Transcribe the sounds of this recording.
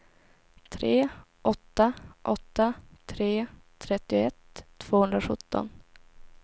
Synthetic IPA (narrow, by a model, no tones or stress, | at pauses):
t̪ʰɾeː | ʔɔt̪ːaʔɔt̪ːat̪ʰɾeːt̪ʰːɾɛt̪ːɪʊɛt̪ʰːv̥oːhɵnd̪ɾaɧɵt̪ːɔ̰n